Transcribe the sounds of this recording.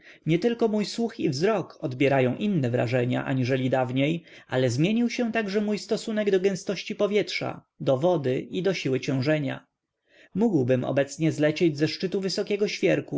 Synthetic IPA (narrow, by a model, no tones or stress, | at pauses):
ɲɛt̪ɘlkɔmujswuxivzɾɔkɔd̪bʲjɛɾajɔ̃w̃ʔinːɛvɾa̰ʐɛɲa̰ʔa̰ɲiʐɛlʲid̪avɲejʔa̰lɛzmʲjeɲiwɕɛ̃t̪aɡʐɛmujst̪ɔsunɛɡd̪ɔɡɛ̃w̃st̪ɔɕt͡ɕipɔvʲjɛtʂa̰ | d̪ɔvɔd̪ɘʔid̪ɔɕiwɘt͡ɕɛ̃w̃ʐɛɲa̰ | muɡwbɘmɔ̰bɛt̪sɲɛzlɛt͡ɕed͡ʑzɛʂt͡ʂɘt̪uvɘsɔkʲɛɡɔɕfʲjɛɾku